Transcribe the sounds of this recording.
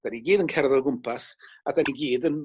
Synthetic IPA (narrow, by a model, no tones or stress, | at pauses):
d̥aniɡiːdənkʰɛrvɛlˠɡʊmpʰasadaniɡiːdən